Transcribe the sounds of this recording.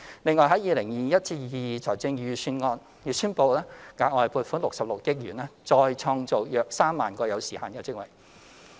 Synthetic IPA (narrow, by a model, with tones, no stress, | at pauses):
lɪ˨˧ŋɔː˨jɦɐ˨˥jiː˨˧lɪ˨˩ŋjiː˨jɐ˥t̚t͡siː˧ji˨˧˨jiː˨˩t͡sʰɔː˨˩jt͡sɪ˧ŋjyː˨˧syː˧nŋɔː˧n | jyː˨˧syː˥npo˧wlɛː˥ŋa̰ː˨˧k̚ɔː˨˧jpuː˧tfu˨˥nlʊ˨k̚sɐ˨p̚lʊ˨k̚jɪ˥k̚jy̰ː˨˩nɛː˥t͡sɔː˧jt͡ʃʰɔː˧ŋt͡so˨˩wjœː˨k̚saː˥mːa̰ː˨nkɔː˧jɐ˨˧wsiː˨˩ha̰ː˨˧nkɛː˧t͡sɪ˥k̚wɐ̰˨˩j